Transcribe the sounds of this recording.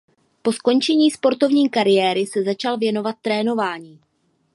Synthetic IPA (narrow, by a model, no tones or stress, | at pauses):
po̞sko̞nt͡ʃɛɲiːspo̞ɾt̪o̞vɲiːkaɾɪjɛːɾɪsɛzat͡ʃalvjɛno̞vat̪̚ːɾɛːno̞vaːɲiː